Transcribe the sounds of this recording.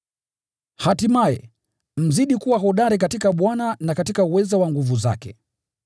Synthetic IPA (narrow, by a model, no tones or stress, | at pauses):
hatimajɛ | m̩ziɗikuwaɦɔɗaɾik̬atikaɓwananakatikauwɛzawaŋɡuvuza̰kɛ